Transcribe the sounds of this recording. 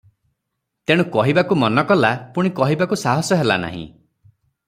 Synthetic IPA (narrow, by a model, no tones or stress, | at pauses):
t̪eɽ̃ukɔɦibakumɔnɔkɔlapuɽ̃ikɔɦibakusaɦɔsɔɦela̰na̰ɦḭ̃